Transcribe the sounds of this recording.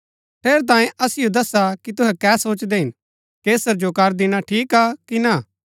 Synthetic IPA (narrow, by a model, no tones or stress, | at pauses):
ʈʰeːɾt̪̬ãːẽʔɐsɪjod̪ɐsakit̪ʊɦɛkɛːsoːt͡ʃd̪eɦɪn | keːsəɾd͡ʒokɐɾd̪ɪñaʈʰiːkaːkina